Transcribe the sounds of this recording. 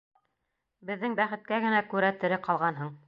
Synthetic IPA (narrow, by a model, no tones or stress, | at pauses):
bɘ̆ðːɘŋbæχɘ̆t̪̚kæɡɘ̆nækʉɾæt̪ɘ̆ɾɘqɑlˠʁɑnɦɤɴ